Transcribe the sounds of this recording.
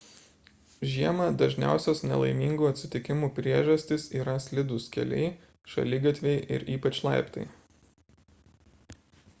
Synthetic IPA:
ʒʲiɛmɐd̪ɐʒʲnʲæ̰ˑʊsʲoːsnʲɛ̰lˠɐ̰ɪmʲiːŋɡuːɐt̪ʲsʲɪt̪ʲɪkʲɪmuːpʲɾʲiɛʒɐsʲt̪ʲɪsiːɾɐsʲlʲɪd̪ʊskʲɛ̰lʲɛ̰ɪ | ʃɐ̰lʲɪɡɐt̪ʲʋʲɛɪʔɪ̰ɾiːpɐt͡ʃlˠɑ̰ˑɪpt̪ɐ̰ɪ

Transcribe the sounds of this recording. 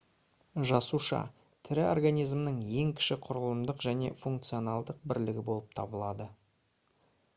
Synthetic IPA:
ʒɑsuʃɑ̰ | t̪ʰɪɾɪo̰rɡanijzmnəɴje̞ŋkʲʰɪ̥ʃɪqʰʊɾəlˠəmd̪əqʒæne̞̰fuŋk̚t̪sijo̞nalˠd̪əq̚bɪɾlɪɡʲɪbo̞lˠəp̚t̪ʰɑbəlˠɑd̪ə

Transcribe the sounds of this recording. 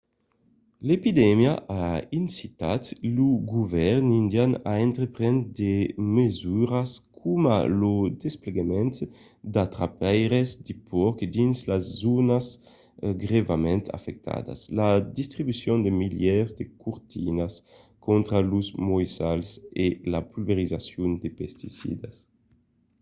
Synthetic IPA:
lepid̪ɛmjaʔainsit̪at̪luɡuvɛɾnind̪janaɛnt̪ɾepɾɛnd̪emezuɾaskʰuma̰lud̪espleɡamɛnt̪ | d̪at̪ɾapɛjɾezd̪ipʰɔɾkd̪inslazːunas | ɡʁevamɛ̃nt̪ʰa̰fɛk̚t̪ʰa̰d̪a̰slad̪ist̪ɾibysjɔnd̪emiljɛʁzd̪ekuɾt̪ʰinas | kɔnt̪ɾaluzmɔjsalselapulveɾizasjund̪epɛst̪isḭd̪as

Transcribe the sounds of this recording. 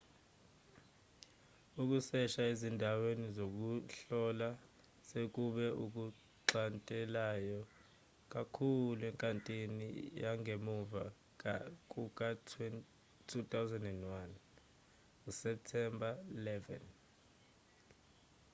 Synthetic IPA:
uk̬usɛʃaezindʱawenizok̬uɬɔla | sek̬ʼuɓɛʔuk̬u | ǃantʼɛlajɔ | k̬ʼakʰuluɛŋkʼantʼinḭjaŋʱemuva | k̬ak̬ʼuk̬ʼatʰwɛn | tʰutʼawzɛndɛndwan | usɛp̚tʰɛmbʱailɛvɛ̰n

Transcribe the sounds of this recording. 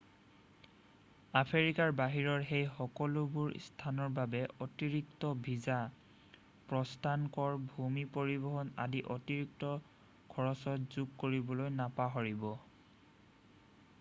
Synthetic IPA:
apʰeɹikaɹbaɦiɹɔɹɦejxɔkɔlʊbʊɹ̰stʰanɔɹbabɛɔtiɹiktɔbʱiza | pɹɔstʰankɔɹbʱumipoɹibɔɦɔna̰diʔɔtiɹik̚tɔ | ɡ̥ʰʱɔɹɔsɔtz̥uɡ̚koɹibɔlojnapaɦɔɹibɔ

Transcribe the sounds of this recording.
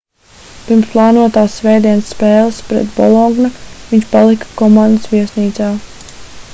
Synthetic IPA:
piɾmsplˠaːnuɔt̪aːsːvɛjd̪iɛnsːpɛːlˠəspɾɛ̰t̪bɔ̰lˠɔɡnɐviɲt͡ʃpalˠikḁkɔmand̪əsʋiɛsniːt̪saː

